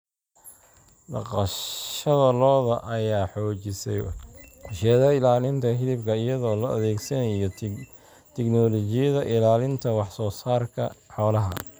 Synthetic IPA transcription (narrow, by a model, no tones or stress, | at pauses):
bɑ̰qɑʃʃɐðɐlɔːðɐʔɐjaːħɔːt͡ʃɪsɛ̰jʊʃɛːðɐɪlaːlɪnt̪ʰɐɦɪlɪbkʰɐɪjɐðɔːlɔʔɐðɛːɡsɐnɐjɔ | t̪ʰɛknɔlɔt͡ʃɪjɐðɐʔɪlaːlɪnt̪ʰɐwɑħsɔːsaːrkʰɐħɔːlɐɦɐ̰